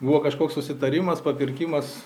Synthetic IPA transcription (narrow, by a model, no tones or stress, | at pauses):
buʋoːkɐʃkoːkssʊsʲɪt̪ɐɾʲɪmɐspɐpʲɪɾʲkʲɪmɐs